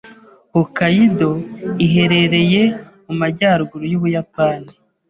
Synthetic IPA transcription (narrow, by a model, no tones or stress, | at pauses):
hukajidoiɦe̞ɾe̞ɾe̞je̞mumaɟaːɾɡuɾujoβujapaːni